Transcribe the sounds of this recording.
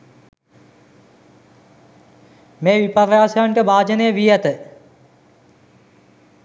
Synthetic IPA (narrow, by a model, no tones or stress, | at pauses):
meːʋipɐrjaːsjaɳʈəbaːd͡ʒɐneːʋijɐt̪ə